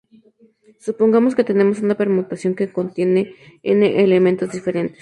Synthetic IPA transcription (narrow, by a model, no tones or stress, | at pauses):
supoŋɡamosket̪e̞nemosunape̞ɾmut̪asjo̞ŋkekont̪je̞neeneʔelemẽnt̪ozd̪ife̞ɾe̞nt̪e̥s